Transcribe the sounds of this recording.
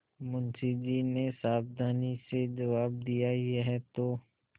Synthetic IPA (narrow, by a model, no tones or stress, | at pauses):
mʊnsid͡ʒinesaːb̚d̪ʱaːnised͡ʒɐʋaːb̚d̪ijaeɦɛt̪oː